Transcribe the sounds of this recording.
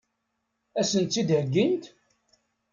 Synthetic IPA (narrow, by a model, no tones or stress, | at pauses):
æsənt̪ːid̪həɡːint̪